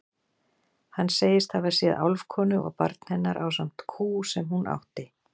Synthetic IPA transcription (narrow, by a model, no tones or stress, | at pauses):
hanːseːjɪst̪havaɾ̥sjɛða̰wlvkʰɔːnʏʔɔ̰ɣpa̰ɾt̪n̥hɛnːaɾʔaws̬am̥t̪kʰuːsɛmhunʔa̰wht̪ɪ